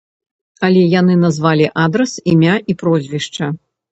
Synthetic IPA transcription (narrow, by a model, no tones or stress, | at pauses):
ɐlʲɛjanɨnɐzvalʲiʔad̪ɾɐsimʲaipɾɔzʲvʲiʂt͡ʂɐ